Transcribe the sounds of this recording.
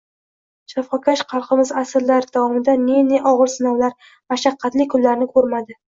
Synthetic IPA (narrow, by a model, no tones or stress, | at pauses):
ʃafɒkʰʲaʃqʰɑlˠqʰɨmɪzasɪɾlaɾd̪̥avɒmɪd̪aneneʔɒʁɨɾsɪnɒwlaɾ | maʃaqʰːɑt̪lɪkʰʊlːaɾnɪkʰɵɾmad̪ɪ